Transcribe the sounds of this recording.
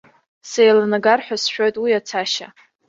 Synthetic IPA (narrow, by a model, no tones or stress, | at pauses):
sejlanaɡarħʷᶣasʃᶣo̞jtʼwijat͡sʰaʃa̰